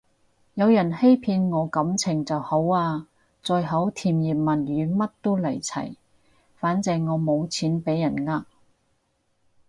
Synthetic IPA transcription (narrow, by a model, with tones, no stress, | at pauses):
jɐ˨˧wjɐ˨˩nhe˥jpʰiː˧nŋɔː˨˧kɐ˨˥mt͡sʰɪ˨˩ŋt͡sɐ˨who˨˥waː˧ | t͡sɔː˧jɦɐ˨˥wt̪ʰiː˨˩mjiː˨˩p̚mɐ˨˩njyː˨˧mɐ˥t̚t̪o˥wlɐ˨˩jt͡sʰɐ̰˨˩j | faː˨˥nt͡sɛː˧ŋɔː˨˧mo˨˧wt͡sʰiː˨˥npe˨˥jːɐ˨˩nŋaː˧k̚